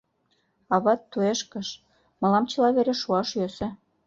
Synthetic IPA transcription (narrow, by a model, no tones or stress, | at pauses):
ɑβɑt̪ːueʃkə̆ʃ | mɤ̆lɑmt͡ɕɤ̆lɑβeɾeʃuɑʃjøsĕ